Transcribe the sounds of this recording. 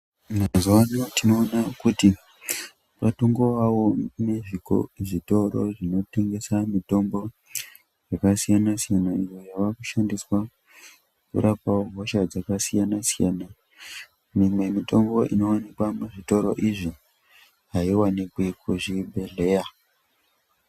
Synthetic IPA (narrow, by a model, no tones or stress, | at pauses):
maazuwaɲotino̞ːnakuti | patoŋɡo̞ʋawo̞ne̞ʐiko̰ʐito̞ɾo̞̰ʐino̞te̞ŋɡe̞samito̞mbo̞ | jakasijanasijanaijojaʋakuʃandiswa | kṵɾʔapaoɦoʃad͡zakasijanasijana | mimwe̞mito̞mbo̞ʔḭno̞wanikwamuʐito̞ɾo̞̰ʔiʐi | ɦaiwanikwekuʐibʱe̞ɮe̞ːja